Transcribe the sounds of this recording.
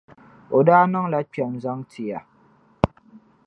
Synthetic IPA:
o˨daː˦nɨ˦ŋla˦k͡pɛ˨mza˦ŋtʰi˨ja˨

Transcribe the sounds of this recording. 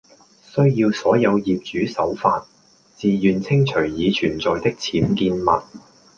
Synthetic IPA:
sɵ˥ɥjiː˧wsɔː˨˥jɐ˨˧wjiː˨p̚t͡ʃyː˨˥sɐ˨˥wfa̰ː˧t̚ | t͡siː˨jyː˨nt͡sʰɪ˥ŋt͡ʃʰɵ˨˩ɥjiː˨˧t͡ʃʰyː˨˩nt͡sɔː˨jt̪ɪ˥k̚t͡sʰiː˨˥mkiː˧nmɐ˨t̚

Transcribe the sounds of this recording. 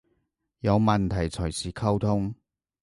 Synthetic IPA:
jɐ˨˧wmɐ˨nt̪ʰɐ˨˩jt͡sʰɵ˨˩jsʰiː˨kʰɐ˥wt̪ʰʊ˥ŋ

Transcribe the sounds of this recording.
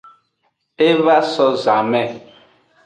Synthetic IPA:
e˦βa˦sɔ˦za˨mɛ˦˨

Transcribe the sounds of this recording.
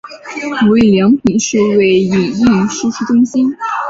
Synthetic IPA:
u˧˥i˥˩ljɑ˧˥ŋpʰi˨˩ʂɻ̩˥˧we˥˩ɪi˨˩i˥˩ʂu˥ʂu˥˩ʈ͡ʂʊ˥ŋɕi˥n

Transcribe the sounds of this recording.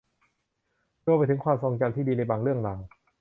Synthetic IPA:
ɾu˧pa˧jt̪ʰɯ˩˦ŋkʰwaː˧mso˧ŋt͡ɕa˧mt̪ʰiː˥˩diː˧na˧jbaː˨˩ŋɾɯ˥˩əŋlaː˨˩ŋ

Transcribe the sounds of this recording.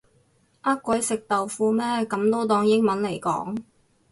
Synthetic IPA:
ʔɐ˥tkːʷɐ˨˥jsɪ˨k̚t̪ɐ˨wfuː˧mɛː˥kɐ˨˥mt̪o˥wt̪ɔː˧ŋjɪ˥ŋmɐ˨˥nle˨˩jkɔ̰ː˨˥ŋ

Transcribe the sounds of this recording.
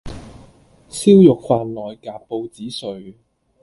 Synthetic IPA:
siː˥wjʊ˨k̚faː˨˧nlɔː˨jkaː˨p̚pːo˧wt͡siː˨˥sɵ˨ɥ

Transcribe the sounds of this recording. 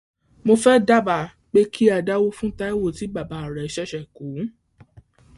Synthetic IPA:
mo˧fɛ˦da˦˨ba˨ | k͡pe˦kʰi˦a˧da˦wo˦fũ˦ta˦i˦wo˦˨ti˨˦ɡ͡ba˦˨ba˨˦˨ɾɛ˨ʃɛ˦ʃɛ˨kũ˨˦

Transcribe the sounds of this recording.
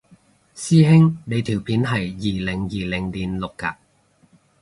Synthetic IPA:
siː˥ɦɪ˥ŋne˨˧jt̪ʰiː˨˩wpʰiː˨˥nɦɐ˨jːiː˨lɪ˨˩ŋjiː˨lɪ˨˩ŋliː˨˩nlʊ˨kːa̰ː˧

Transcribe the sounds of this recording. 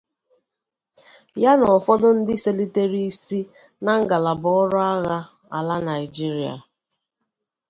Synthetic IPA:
ja˦nɔ˨fɔ˦dʊ˦n̩˦dɪ˦se˦li˦te˦ɾi˦i˦si˦ | na˨ŋ̩˦ɡa˨la˨bɔ˨˦ɔ˦ɾʊ˦a˦ɣa˦ | a̰˨la˦na˨ɪ˨d͡ʒi˦ɾi˨˦a̰˨

